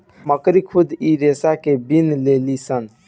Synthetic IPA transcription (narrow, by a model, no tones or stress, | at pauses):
məkɾikʰud̪ʱiɾesakebinlelisən